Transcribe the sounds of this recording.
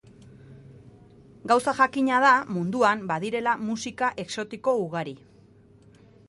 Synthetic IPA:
ɡawsaʝakiɲað̞amund̪uambaðiɾe̞lamusikaʔe̞kso̞t̪iko̞uɣ̞aɾi

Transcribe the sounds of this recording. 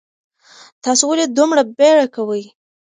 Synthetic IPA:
t̪ɑsowaled̪umɽabeɽakawəj

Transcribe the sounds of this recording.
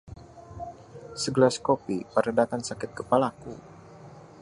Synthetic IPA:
səɡəlaskopipəɾədat̪ansakɪt̪̚kəpalakṵ

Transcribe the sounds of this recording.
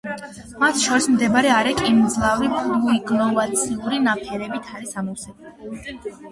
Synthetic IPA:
mat̪ʰʃɔɾismd̪ɛbɾɛaɾɛkʼind̪zlˠavɾipʰʼlluiɡnɔvat̪sʰiuɾinapʰɛɾɛbit̪ʰaɾisamɔsɛb

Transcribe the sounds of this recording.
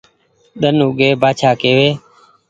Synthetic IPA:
ɗ̪ənʊɡeːbaːt͡ʃʰaːkeːʋeː

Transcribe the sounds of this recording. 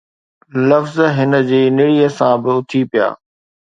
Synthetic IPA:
lɐfzɦɪnə̆d͡ʑeːnɪɽiːəsãbɪʊt̪ʰipija̰ː

